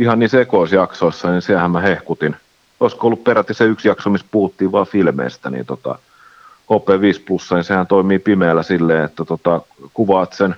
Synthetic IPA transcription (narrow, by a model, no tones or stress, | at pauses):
ihɑnniːsekoˑisjɑksoˑisːɑnisiæhæmmæhehkut̪in | oˑiskoolːupperæt̪jɑseyksjɑksomispuhut̪ːiːʋʋɑːfilmḛist̪ænḭnt̪ot̪ɑ̰ | hoːpˑeːʋiːsplusːɑnisehænt̪oimiːpimeːlːˑæsilːeːet̪ːæt̪ot̪ɑkuʋɑːt̪sen